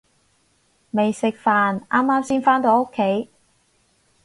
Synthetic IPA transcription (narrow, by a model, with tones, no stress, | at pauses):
me˨jsɪ˨k̚faː˨nʔaː˥mːaː˥msiː˥nfaː˥nt̪o˨˧˥wo˥kʰːe˨˥j